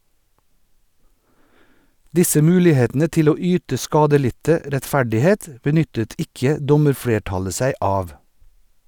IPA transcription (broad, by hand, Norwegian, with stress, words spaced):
ˈdɪsə ˈmʉːlɪˌheːtn̩ə ˈtɪl ˈoː ˈyːtə ˈskɑːdəˌlɪtə ɾɛtˈfæɖɪˌheːt bəˈnʏtət ˈɪkə ˈdɔməɾˌfɽeːˌʈɑlə ˈsæɪ ˈɑːʋ